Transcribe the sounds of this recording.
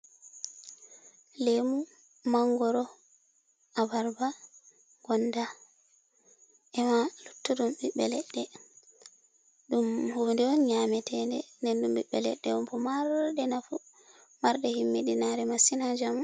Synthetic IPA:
lemu | maŋɡɔɾɔ | ʔabaɾba | ɡɔnda | ʔɛmalutːuɗumɓiɓːɛlɛɗːɛ | ɗumhundɛwɔnɲamɛtʰɛndɛndɛndumɓiɓːɛ̰lɛ̰ɗːɛ̰ɔmpɔmaɾɗɛnafu | maɾɗɛhimːiɗinaɾɛmasinad͡ʒam

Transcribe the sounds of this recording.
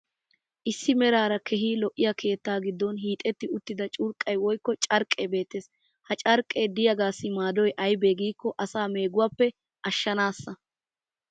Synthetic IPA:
ʔɪsːɪmɛɾaːɾɐkʰɛɦiːlɔʔːɪjɐkʰe̞ːt̪ːaːɡɪd̪ːɔnɦiːt̪ʼɛt̪ːɪʊt̪ːɪd̪ɐt͡ʃʼʊɾkʼːɐjwɔjkːɔt͡ʃʼɐɾkʼːebe̞ːt̪ːeːs | hɐt͡ʃʼɐɾkʼːe̞ːd̪ɪjɐɡaːsːɪmaːd̪ɔjʔɐjbe̞ːɡiːkːɔʔɐsaːme̞ːɡʊwapːɛ | ʔɐʃːɐnaːsːɐ

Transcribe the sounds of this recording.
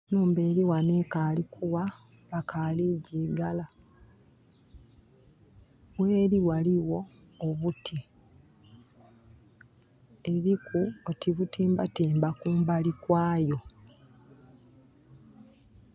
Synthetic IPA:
nuːmbe̞ːɾiwaneːkaːlikʰuwa | βakʰaːliɟiːɡala | βweːɾiwaliwo̞ː | βutʰi | e̞βikʰuotiβutiːmbatiːmbakuːmbalikwaːjo̞

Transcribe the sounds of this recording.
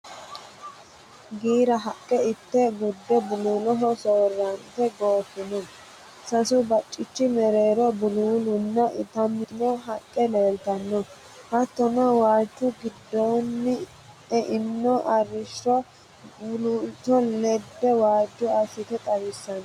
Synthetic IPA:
ɡiːɾɐɦɐkʼːɛɪt̪ːɛɡʊd̪ːɛbʊluːlɔɦɔsoːrːɐnt̪ɛɡoːfɪnɔ | sɐsʊbɐt͡ʃʼːɪt͡ʃːɪmɛɾeːɾɔbʊluːlʊnːɐʔɪt̪ɐmːɪnɔɦɐkʼːɛleːlt̪ɐnːɔ | hɐt̪ːɔnɐwaːd͡ʒːʊɡɪd̪ːoːnːɪ | ɛʔɪnːɔʔɐrːɪʃɔ | bʊluːltːɔlɛd̪ːɛwaːd͡ʒːʊɐsɪt̪ɛt̪ʼɐwɪsːɐn

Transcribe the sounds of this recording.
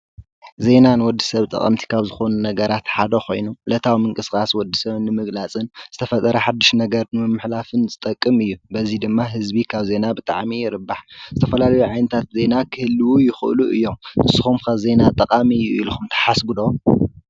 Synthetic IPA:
ze̞nanɨwɔd̪ːi̥sɐβt̪ʼɐ̰qʼɐ̰mt̪ʰi̥kʰaβzɨxo̞nunɐɡɐɾat̪ħad̪ɐxo̞̰jnulɐt̪ʰawimɨŋkʼɨskʼaswɔd̪ːisɐβɨnːɨmɨɡlat͡sʼɨnz̥ɨt̪ʰɐfɐt̪ʼɐɾɐħad̪ːiʃnɐɡɐɾnɨmɨmːɨħlafɨnzɨt̪ʼɐkʼːɨmɨjːubɐzid̪ɨmːaɦɨzbikʰaβze̞nabɨt̪ʼaʕmijɪɾɨbːaħzɨt̪ʰɐfɐlalɐjuʕajnɐt̪ʰat̪ze̞nakʰɨhɨlːɨwujɪxɨʔɨ̰luʔɨjːo̞mɨsɨ̥xumkʰaβze̞nat̪ʼɐqʼamijːuḭluxumt̪ʰɐ̥ħasɡud̪o

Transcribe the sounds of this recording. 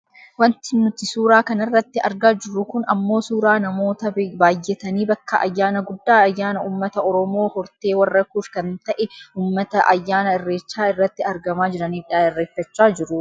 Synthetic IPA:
wɐnt̪ɪnʊt̪ːɪsuːɾaːkɐnɪrːɐt̪ːɪɐɾɡaːd͡ʒɪɾːʊkʊnɐmːo̞ːsuːɾaːnɐmo̞ːt̪ɐbaːjːɛt̪ɐniːbɐkːɐʔɐ̰jːaːnɐɡʊdːaːɐjːaːnɐuːmːɐt̪ɐɔɾɔmoːhɔɾt̪e̞ːwɐrːɐkuːfkɐnt̪ɐʔɛuːmːɐt̪ɐʔɐ̰jːaːnɐɪrːeːt͡ʃːaːɪrːɐt̪ːɪɐɾɡɐmaːd͡ʒɪɾɐniːᶑaːɪrːeːfːɐt͡ʃːaːd͡ʒɪɾʊ

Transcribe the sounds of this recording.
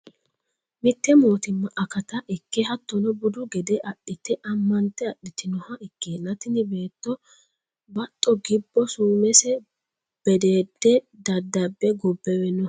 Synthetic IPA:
mɪt̪ːɛmoːt̪ɪmːɐʔɐkɐt̪ɐʔɪkːɛɦɐt̪ːɔnɔbʊd̪ʊɡɛd̪ɛʔɐɗːɪt̪ɪʔɐmːɐnt̪ːɛɐɗɪt̪ɪnɔhɐɪkːeːnːɐt̪ɪnɪbe̞ːt̪ːɔ | bɐt̪ʼːɔɡɪbːɔsuːmɛsɛ | b̥ɛd̪e̞ːd̪ːɛ | d̪ɐd̪ːɐbːɛɡɔbːɛwɛnɔ

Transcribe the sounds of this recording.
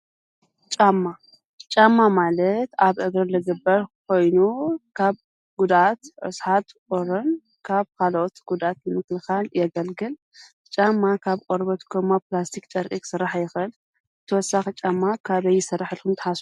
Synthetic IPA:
t͡ʃʼamːa | t͡ʃʼamːamalɐt̪aβʔɨɡɾɨlɨɡɨbːɐɾkʰo̞jnukʰaβ | ɡ̥ud̪at̪ʕɨ̰sħat̪kʼoɾɐn | kʰaβkʰalʔot̪ɡ̥ud̪at̪jɨmɨklɨxaljɛɡɐlɡɨl | t͡ʃʼamːakʰaβkʼoɾbɐt̪kʰɐmːaplast̪ʰikt͡ʃʼɐɾʔʼikʼsɨrːaħjɪxɨl | ɨt̪ʰɨwɔsːaxit͡ʃʼamːakʰaβɐjːɪsɐrːaħɨlkʰumt̪ʰɨ̥ħasu

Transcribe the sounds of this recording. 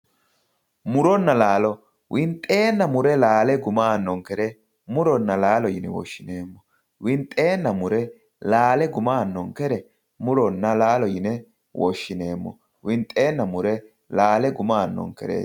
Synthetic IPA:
mʊɾɔnːɐlaːlɔ | wʔɪnt̪ʼːe̞ːnːɐmʊɾɛlaːlɛɡʊmaːnːɔŋkɛɾɛ | mʊɾɔnːɐlaːlɔjɪnɛwɔ̰ʃːɪneːmːɔ | wɪnt̪ʼːe̞ːnːɐmʊɾɛ | laːlɛɡʊmaːnːɔŋkɛɾɛ | mʊɾɔnːɐlaːlɔjɪnɛ | wʔɔʃːɪne̞ːmːɔ̰ | wɪnt̪ʼe̞ːnːɐmʊɾɛ | laːlɛɡʊmaːnːɔ̰ŋkɛɾḛː

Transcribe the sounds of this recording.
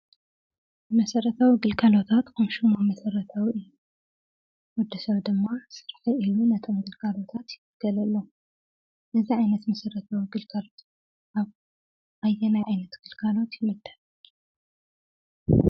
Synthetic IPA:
mɐsɐɾɐt̪ʰawiɡɨlkʰalo̞t̪ʰat̪kʰɐmʃɨmomɐsɐɾɐt̪ʰawiɨjːu | wʊd̪ːɨsɐβd̪ɨmːasɨɾħiʔilunɐt̪ʰo̞mɡɨlkʰalo̞t̪ʰat̪jɪmɨɡɐlɐlːo | ʔɨziʕajnɐt̪mɐsɐɾɐt̪ʰawiɡɨlkʰalo̞t̪ | ʔaβ | ʔajːɛnajʕajnɐt̪ɡ̥ɨlkʰalo̞t̪jɪmɨd̪ːɐl

